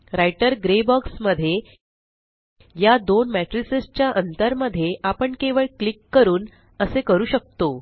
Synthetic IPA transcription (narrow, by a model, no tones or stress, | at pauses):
ɾajʈəɾɡɾebɔksməd̪ʱːje | jad̪onmæʈɾisest͡ɕjaʔənt̪əɾməd̪ʱːjeʔapəɳkeʋəɭklikːəɾuːn | əsekəɾuːɕək̚t̪o